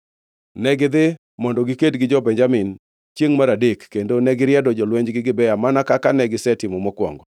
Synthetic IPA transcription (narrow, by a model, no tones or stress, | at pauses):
nɛɡɪd̪ɪ | mɔndɔɡɪkedɡɪd͡ʒɔbɛɲd͡ʒamɪn | t͡ʃjeŋmaɾadekːendonɛɡɪɾjɛdɔd͡ʒɔlweɲd͡ʒɡɪɡɪbɛjamanakakanɛɡɪsɛtɪmɔmɔkwɔ̰ŋɡɔ